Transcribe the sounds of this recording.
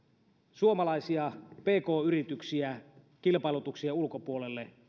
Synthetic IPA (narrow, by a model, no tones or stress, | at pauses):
suomɑlɑisiɑpe̞ːko̞ːyrit̪yksiæ | k̟ilpɑelut̪uksiɑulkopuolelːe